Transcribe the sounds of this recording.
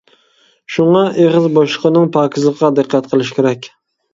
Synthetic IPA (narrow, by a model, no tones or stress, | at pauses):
ʃʊɴɑeʁɨzboʃlˠɨqɨnɪŋpʰɑːkʲʰɪzˠɨqʰːɑd̪ɨqʰːɑt̪qʰɨlˠɪʃkʲʰeɾakʲ